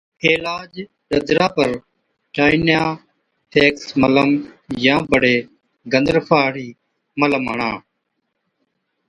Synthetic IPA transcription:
eːlaːd͡ʒ | ɗəd̪ɾãːpəɾ | ʈaːɪnjãː | ʈʰeːksmələmjãːbəɽeː | ɡənd̪əɾpʰaːɽiː | mələməɳã̰ː

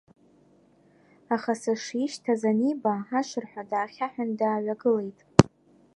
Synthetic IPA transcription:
aχasaʂiʃtʰazanibaaʃʷɨrħʷᶣadaːχʲaħᶣandaːɥʷaɡɨle̞jtʼ

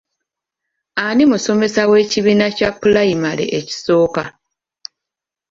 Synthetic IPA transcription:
animuso̞me̞sawe̞ːciβiːnacapːulaimalḛʔeci̥so̞ːka

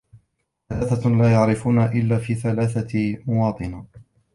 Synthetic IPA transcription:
θalaːθalaːjaʕɾɪfuːnaʔɪlːaːfiːθalaːθamʊwɑːt̪ˤɨna

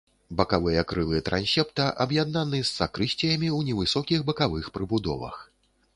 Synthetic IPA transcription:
bɐkavɨjɐkɾɨlˠɨt̪ɾanʲsʲɛpt̪ɐʔɐbjad̪̚nanɨsːakɾɨɕʲt͡sʲɛjɐmʲiwnʲɛvɨsɔkʲixbɐkavɨxpɾɨbud̪ɔ̰vɐ̰x

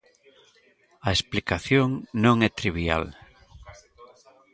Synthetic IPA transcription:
ɐesplikaθjoŋnõŋɛt̪ɾiβia̰l

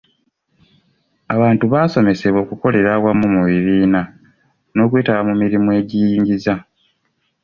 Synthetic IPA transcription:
aβaːntuβaːso̞me̞se̞βwo̞ːkuko̞le̞ɾaβwamumuβiβiːna | no̞ːkwe̞ːtaβamumiɾimue̞ːɟijiːɲɟiza

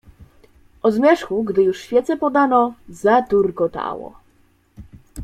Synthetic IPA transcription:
ʔɔzmʲjɛʂxuɡd̪ɘjuʂɕfʲjɛt̪sɛpɔd̪anɔzat̪uɾkɔt̪a̰wɔ̰

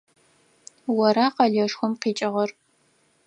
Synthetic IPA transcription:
wɐɾaːqɐɮɐʂxʷʊmqiːt͡ʃʼɐʁɐr

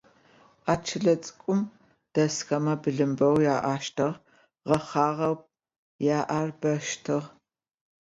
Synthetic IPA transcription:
ʔaːt͡ʃʰɨɮɐt͡sʼɨ̥kʷʼʊm | d̥ɐsxɐmɐbɨɮɨmbɐwjaːʔaːʃtʰɨʁ | ʁɐχɑːʁɐwp̚ | jaːʔarbɐʃtʰɨʁ

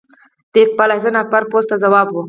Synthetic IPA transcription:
d̪̥ek̚palazənapaɾpozt̪azawɑːbwu

